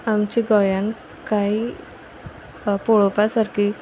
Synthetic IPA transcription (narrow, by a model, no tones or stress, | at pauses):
amt͡ʃiɡɔjan | kaj | poɭopasɐɾki